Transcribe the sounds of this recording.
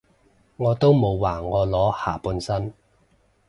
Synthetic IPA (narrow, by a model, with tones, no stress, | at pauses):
ŋɔː˨˧t̪o˥wmo˨˧wwaː˨˩ŋɔː˨˧lɔː˨˥ha̰ː˨˩puː˨˧nsɐ˥n